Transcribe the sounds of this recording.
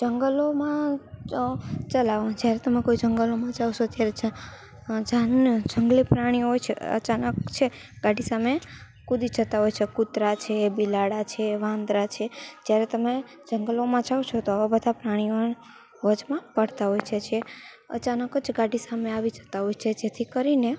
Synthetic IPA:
d͡ʒəŋɡəlomã | t͡ʃəlaʋd͡ʒjaɾet̪əmekoid͡ʒəŋɡəlomãd͡ʒaʋʃot̪jaɾed͡ʒ | d͡ʒand͡ʒəŋɡlipɾaɽ̃iɦojt͡ʃʰḛə̰t͡ʃanəkt͡ʃʰeɡaɖisame | kud̪id͡ʒʱət̪aɦojt͡ʃʰekut̪ɾat͡ʃʰebilaɽat͡ʃʰeʋãnd̪ɾat͡ʃʰed͡ʒjaɾet̪əme | d͡ʒəŋɡəlomãd͡ʒaʋt͡ʃʰot̪oaʋabəd̪ʱapɾaɽ̃io | ʋəd͡ʒmãpəɽt̪aɦojt͡ʃʰed͡ʒʰe | ə̰t͡ʃanəkəd͡ʒɡaɖisameaʋid͡ʒʱə̥t̪aɦojt͡ʃʰed͡ʒet̪ʰikəɾine

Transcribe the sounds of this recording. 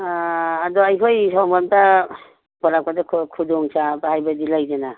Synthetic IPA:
aːdɔajkʰɔjsɔwmanta | bɔɾap̚kadakʰkʰudɔŋsabahajbadilajd͡ʒena

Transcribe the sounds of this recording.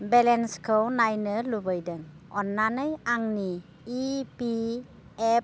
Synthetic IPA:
bɛlɛnskonajnəlubəjdəŋ | ɔnːanəjaŋniː | pi | ɛp̚

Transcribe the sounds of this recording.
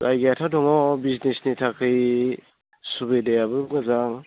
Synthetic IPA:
ajɡejatʰadɔŋɔbiznesnitʰakʰɯj | subedejabɯŋɯzaŋ

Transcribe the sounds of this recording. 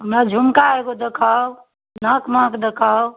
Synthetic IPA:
ɦəmɾad͡ʒʱumkaeɡod̪ekʰa | nəkməkd̪ekʰaw

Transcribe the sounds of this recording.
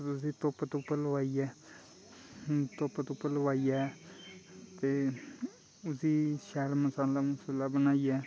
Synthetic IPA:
ʊsĩːt̪oːpət̪ʊpələʋaːiɛː | t̪oːpət̪ʊpːələʋaːijɛː | t̪eː | ʊsiːʃɛːɽməsaːlaːmʊsəlaːbənaːijɛː

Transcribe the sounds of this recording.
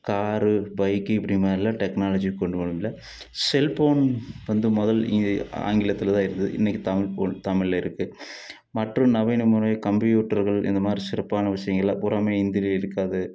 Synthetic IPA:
kaːrɨbɐjkːɨipɐɽijmaːɾilːaʈeknaːlɐd͡ʑikoɳɖuʋɐɭumilːɐ | selpoːɳʋɐnd̪ɨmɔðɐla̰ːŋɡilɐt̪ːilɐðaːjiɾunɐðɨ̰ʔḭnːekʲːɨt̪ɐmlpot̪ɐmiɭleiɾukːɨ | mɐʈrumnɐʋinumurkɐmbjuːʈːɐrɣɐɭenːɐmaːrisirɐpːaːɳɨʋɐʂɐjɐŋɡilɐ̰purɐmeind̪ileiɾukːaːðɨ

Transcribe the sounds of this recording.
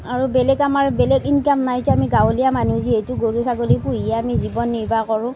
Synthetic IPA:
aɹubɛlɛɡamaɹbɛlɛɡinkamnajtuamiɡawlijamanuzietuɡoɹusaɡolipuɦijɛamizibɔnːiɹbakɔɹʊ̃

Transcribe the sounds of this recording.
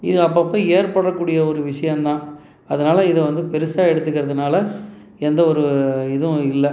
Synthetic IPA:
ɪðɯɐp̬ːɐpːɐ̃ːeːɾpɐɽːɐkːuːɽɪjɐɔɾɯʋɪʂɐjɐ̃nt̪ãː | ɐðɐnaːlɐɪðɯʋɐnd̪ɯpɛɾɯsaːɛɽɯt̪ːɯkːɪɾɐðɯnaːlɐ | ɛnd̪ɐɔɾɯɪðʊ̃ɪlːɐ

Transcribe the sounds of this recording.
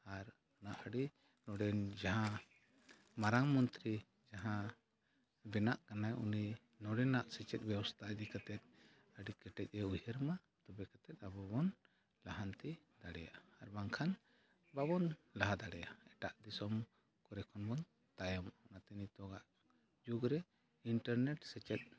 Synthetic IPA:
aɾ | ɔnaʔəɽi | nɔɖɛnd͡ʒaɦã | maɾaŋmɔnt̪ɾi | d͡ʒaɦã | bɛnaʔkanajṵni | nɔɽɛnaʔsit͡ʃɛt̪̚ˀbjɛwɔst̪ʰad̪ikat̪ɛt̪̚ | əɽikɛʈɛc̚ˀɛujəɾma | t̪ubɛkat̪ɛt̪̚ˀabɔbɔn | laɦant̪i | d̪aɽɛ̰ja̰ʔaɾbaŋkʰan | babɔnlaɦad̪aɽɛjaɛʈaʔd̪isɔm | kɔɾɛkʰɔnbɔn | t̪ajɔmɔnat̪init̪ɔɡaʔ | d͡ʒuɡɾɛ | iɳʈaɾnɛʈsɛt͡ʃɛt̪̚

